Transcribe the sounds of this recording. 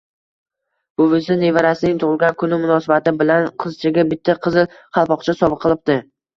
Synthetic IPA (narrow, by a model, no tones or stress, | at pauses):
b̥ʊʊzɪnevaɾasɪnɪŋt̪ʰʊʁɨlˠɡʲankʰʊnɪmʊnɒsabat̪ɪbɪlanqʰɨzt͡ʃʰɪɡʲabɪt̪ʰːaqʰɨzɪl | qʰɑlˠpɒqt͡ʃʰasɒbɨqʰːɨlˠɪp̚t̪ɪ